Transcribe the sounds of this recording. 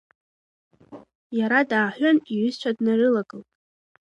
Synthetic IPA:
jaɾadaːħᶣʷaniʕʏzt͡ʃʷʰadnarɨlaɡʼɨltʼ

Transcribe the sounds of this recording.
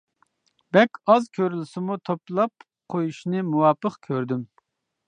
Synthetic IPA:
b̥ɛkʲɑzkʲʰøɾylɪsɪmut̪ʰoplˠɑp̚ | qʰojuʃnɨmuwɑːpːəqkʲʰøɾd̪ym

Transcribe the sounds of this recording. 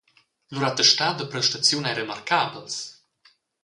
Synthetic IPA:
luɾat̪əʃt̪ad̪əpɾəʃt̪ət̪t͡s̪iunajɾema̰rkabls

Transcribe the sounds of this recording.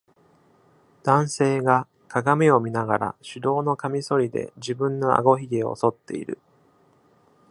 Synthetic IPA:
d̪̥ãɰ̃se̞ːɡa | kaɡame̞o̞mʲinaɡaɾa̰ɕɨd̪o̞ːno̞kamʲiso̞ɾʲid̪e̞̰d͡ʑibɯ̟̃nːo̞a̰ɡo̞çiɡʲeo̞̰so̞t̪ːe̞ḭɾɯ̟̰

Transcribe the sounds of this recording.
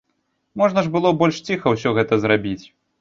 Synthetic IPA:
mɔʐnɐʐbɨlˠɔbɔlʲʂt͡sʲixɐwsʲɔɣɛt̪ɐzɾabʲit͡sʲ

